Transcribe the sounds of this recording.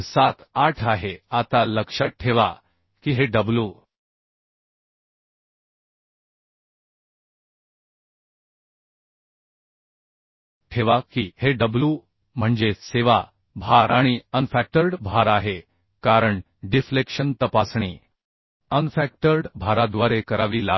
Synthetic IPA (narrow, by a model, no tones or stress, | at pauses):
sat̪ʰaʈʰaɦeat̪aləkʂaʈʰeʋa | kiɦeɖəblu | ʈʰeʋakiheɖəblu | m̤əɳd͡zeseʋa | bʱaɾaɽ̃iənfæk̚ʈəɾɖbʱaɾaɦe | kaɾəɳ | ɖiflekʂənt̪əpasɳiː | ənfæk̚ʈəɾɖbʱaɾad̪ʋaɾekəɾaʋiːla